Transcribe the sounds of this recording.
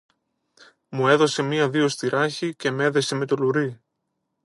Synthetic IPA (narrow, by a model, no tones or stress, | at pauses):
mue̞ðo̞se̞miɐðio̞st̪iɾʔɐçice̞me̞ðese̞me̞t̪o̞luɾi